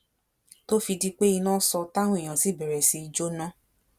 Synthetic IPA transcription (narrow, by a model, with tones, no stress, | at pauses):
to˦fi˧di˦k͡pe˦i˧nãː˦sɔ˧ta˦wũ˦e˨j̃ã˨si˨˦˨bɛ˨ɾɛ˨si˧i˧d͡ʒo˦nã˦